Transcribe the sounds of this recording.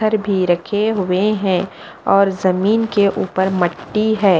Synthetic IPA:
əɾbʱiɾɐkʰeɦʊeɦɛ̃ | ɔːɾzɐmiːnkeʔuːpəɾmɐʈːiɦɛː

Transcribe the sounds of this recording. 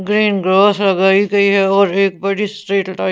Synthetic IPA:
ɡɾiːnɡɾɔːslɐɡaːiɡɐiɦɛɔːɾeːk̚bɐɽisʈɾeːʈʈaː

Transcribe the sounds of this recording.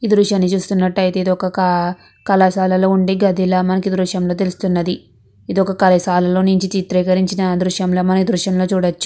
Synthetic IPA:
iːd̪ɾuʂjaːnːit͡ʃuːst̪unːɐʈːɐjt̪e̞ːd̪iɔkɐ | kɐlɐsaːlɐlo̞ːuɳɖiːɡɐd̪ʱilaːmɐnɐkid̪ɾuʂjɐmlo̞ːt̪̬elust̪unːɐd̪i | id̪ɔkɐkɐlɐsaːlɐlo̞ːnuɲt͡ʃit͡ʃ̪it̪ɾɛːkɐɾiɲt͡ʃinɐd̪ɾuʂjɐmlo̞ːmɐnɐkid̪ɾuʂjɐmlo̞ːt͡ʃuːɽɐt͡ʃːu̥

